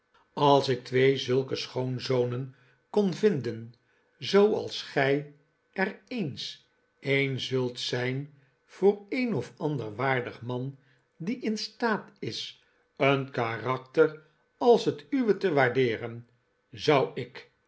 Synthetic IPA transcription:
ɑlˠsɪk̚tʋejzɵlˠkəsχownzownən | kɔnvɪndən | zowɑ̰lˠsχɛj | ɛrejns | ejnzɵlˠtsɛjn | v̥ʊːɹejnɔfɑndəɹʋaːɹdəχmɑn | diʔɪnstaːtɪs | ənkarɑk̚tər | ɑlˠsɦətyʋətəʋaːɹdɪːɾən | zʌwɪk

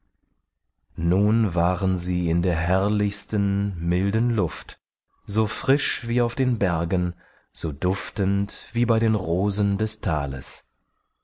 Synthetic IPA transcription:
nuːnvaːʁənziːɪndeːɐɦɛɐlɪçstənmɪldən̩lʊft | z̥oːfʁ̥ɪʃv̥iːaʊfd̥eːnbɛɐɡən̩ | z̥oːdʊftəntv̥iːbaɪɾeːnʁoːzən̩dɛstʰa̰ːlə̰s

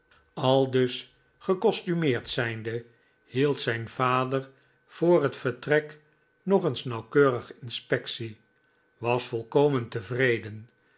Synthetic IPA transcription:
ɑlˠdɵs | χəkɔstymɪːɹtsɛjndə | hilˠtsɛjnv̥aːdəɹ | v̥ʊːrɦətfəɹtrɛk | nɔχənsnɑwkøːrəχɪnspɛksi | ʋɑsfɔlˠkowməntəvrejdən

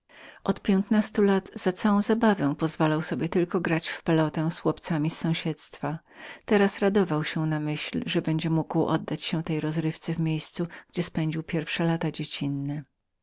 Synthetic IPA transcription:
ʔɔt̪pʲjɛnt̪nast̪ulat̪z̥at̪sawɔ̃w̃zabavɛ̃w̃pɔzvalawsɔbʲɛt̪ɘlkɔɡɾat͡ɕfpɛlɔt̪ɛ̃swɔpt̪samʲisːɔ̃w̃ɕɛt̪st̪fa | t̪ɛɾasɾad̪ɔvawɕɛnamɘɕlʐɛbɛɲd͡ʑɛmuɡwʔɔ̰d̪ːat͡ɕɕɛt̪ɛjɾɔzɾɘft̪sɛvmʲjejst̪suɡ̥d͡ʑɛspɛɲd͡ʑiwpʲjɛɾfʂɛlat̪ad͡ʑet͡ɕinːɛ

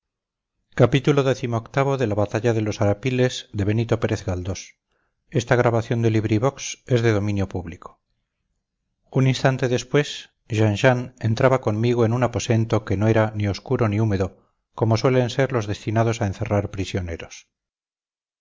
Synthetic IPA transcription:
kapit̪ulo̞ðeθimoːkt̪aβo̞ðe̞laβat̪aʝaðe̞lo̞saɾapile̞zðe̞βe̞nit̪o̞pe̞ɾe̞θɣald̪o̞s | e̞st̪aɣɾaβaθjo̞nd̪eliβɾiβo̞kse̞zðe̞ð̞o̞mĩnjo̞puβliko̥ | uninst̪ant̪e̞ðe̞spwe̞s | ʒanʃane̞nt̪ɾaβako̞nmiɣoenunapo̞se̞nt̪o̞ke̞noe̞ɾanioskuɾo̞niume̞ðo̞ | ko̞mo̞swe̞le̞nse̞ɾlo̞zðe̞st̪inað̞o̞saenθe̞raɾpɾisjone̞ɾo̞s

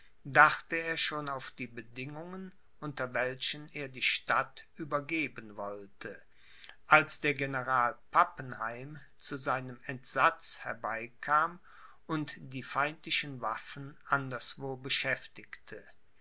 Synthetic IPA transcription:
daχtəeːɐʃoːnaʊfd̥iːbədɪŋʊŋən | ʔʊntɐvɛlʃəneːɐdiːʃtatʔyːbɐɡeːbənvɔltʰə | ʔalsd̥eːɐɡenəʁaːlpʰapənhaɪm | t͡suzaɪnəmɛntz̥at͡shɛɐbaɪkʰaːm | ʔʊntd̥iːfaɪ̃ntlɪʃənvafn̩ʔandɐsv̥oːbəʃɛftɪktʰə

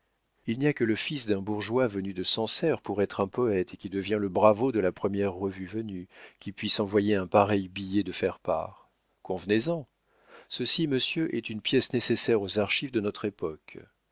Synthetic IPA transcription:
ilnijakələfisd̪ɛ̃buʁʒwavənyd̪əsɑ̃sɛʁpuʁɛt̪χɛ̃pɔɛt̪ekʲid̪əvjɛ̃ləbʁavod̪əlapχəmjɛʁːəvyvənykʲipɥisɑ̃vwajeɛ̃paʁɛjbijɛd̪əfɛʁpa̰ːʁ | kɔ̃vnezɑ̃ | səsiməsjøʔɛt̪ynpjɛsnesesɛʁozaʁʃivd̪ənɔt̪χepɔk

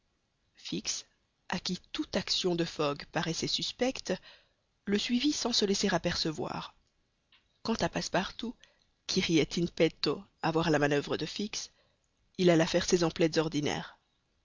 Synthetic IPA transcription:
fiks | akʲit̪ut̪aksjɔ̃d̪əfɔɡpaʁɛsɛsyspɛkt̪ | ləsɥivisɑ̃səlɛseʁapɛʁsəvwa̰ːʁ | kɑ̃t̪apaspaʁt̪u | kʲʰiʁiɛt̪ʰinpɛt̪oavwaʁlamanœvʁəd̪əfiks | ilalafɛʁsezɑ̃plɛt̪zɔʁd̪inɛ̰ːʁ

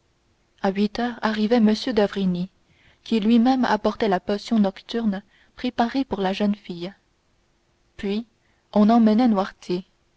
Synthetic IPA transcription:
aɥit̪œːʁaʁivɛməsjød̪avʁini | kʲilɥimɛma̰pɔʁt̪ɛlapɔsjɔ̃nɔkt̪yʁn | pχepaʁepuʁlaʒənfij | pɥi | ɔ̃nɑ̃mənɛnwaʁt̪je

